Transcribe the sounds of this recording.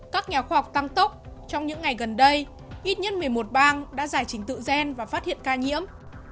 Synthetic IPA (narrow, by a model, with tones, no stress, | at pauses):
kaː˦˥k̚ɲaː˨˩xwaː˧hɔ˨˩wk͡p̚t̪a˧ŋt̪ə˦˥k͡p̚t͡ɕɔ˧wŋ͡mɲɨ̰˧˥ŋːa˨˩jɣə˨˩nɗə˧j | ʔi˦˥t̚ɲə̰˦˥n̚mɨ˨˩əjmo˨˩t̚ɓaː˧ŋɗa̰ː˧˥zaː˧˩jt͡ɕï˨˦ŋ̟t̪ɨ̰˧˨zɛ˧nvaː˨˩faː˦˥t̚hḭ˧˨ənkaː˧ɲḭ˧˥əm